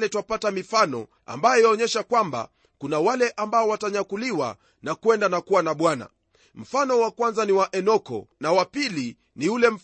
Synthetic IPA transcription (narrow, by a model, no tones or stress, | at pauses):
lɛtwapatamifanɔ̰ | a̰mbajɔjɔɲɛʃakwamba̰ | kunawalɛʔambaɔwataɲakuliwa̰ | nakwɛndanakuwanaɓwana̰ | m̩fanɔwakwanzaniwaʔɛnɔkɔ̰nawapili | niulɛm̩